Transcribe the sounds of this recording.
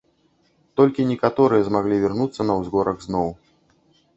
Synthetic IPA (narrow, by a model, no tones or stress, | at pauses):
t̪ɔlʲkʲinʲɛkat̪ɔɾɨjɐzmaɣlʲivʲɛrnut̪sːɐnɐwzɣɔɾʔɐɣznɔw